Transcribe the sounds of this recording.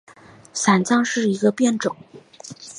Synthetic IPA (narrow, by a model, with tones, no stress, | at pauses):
sa˨˩nt͡ɕjɑ˥˧ŋʂɻ̩˥˩i˧˥ɡə˧pjɛ˥˩nʈ͡ʂʊ˨˩˦ŋ